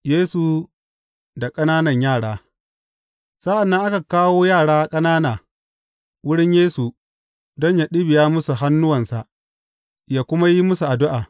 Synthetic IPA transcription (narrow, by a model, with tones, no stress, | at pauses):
jeː˦su˨ | da˨kʼɐ˦naː˦nɐ˨ɲjaː˦˨ɽaː˦ | sa˦ʔa˨nːɐ˦ŋʔa˦ka˨kaː˦woː˦jaː˦˨ɽaː˦kʼɐ˦naː˦naː˨ | wʊ˦ɽɪ˦ɲjeː˦su˨ | dɔ˦ɲja˨ɗɪ˦bɪ˨jaː˦mʊ˦su˨ɦa˦nːʊ˦wɐ˨nsa˨ʔ | jaː˦kʷʊ˦ma˦ji˦mʊ˦su˨ʔa˨dʊ˦ʔaː˨